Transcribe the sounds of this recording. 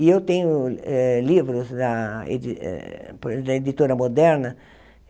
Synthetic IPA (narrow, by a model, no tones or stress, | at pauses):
iewt̪ẽɲʊɛlivɾʊsd̪ɐḛd̪ḭpd̪ɐed̪it̪oɾɐmod̪ɛɾnɐ